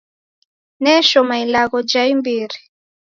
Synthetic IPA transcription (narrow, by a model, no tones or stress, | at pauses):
nɛʃɔmailaɣɔd͡ʒaimbiɾi